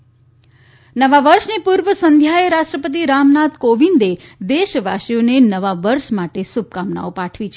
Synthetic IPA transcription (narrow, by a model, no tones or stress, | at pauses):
nəʋaʋəɾʃnepuɾʋəsənd̪ʱjaeɾaʃʈɾəpət̪̬iɾamnat̪koʋind̪ed̪eʃʋa̰ʃijonenəʋaʋəɾʃmaʈesub̚kamna̰opaʈʰʋit͡ʃʰ